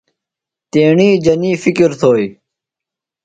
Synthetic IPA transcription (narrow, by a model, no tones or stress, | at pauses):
t̪eːɳĩːd͡ʑəniːfikiɾt̪ʰoːi